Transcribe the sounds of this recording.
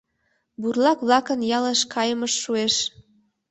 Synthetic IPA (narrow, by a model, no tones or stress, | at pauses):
burlɑkβlɑkənjɑleʃkʰɑjəməʃːueʃ